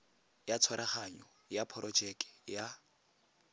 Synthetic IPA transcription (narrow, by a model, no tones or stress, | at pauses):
jat͡sʰwaɾaχaɲɔ | japʰɔɾʔɔd͡ʒɛkɛ̥ja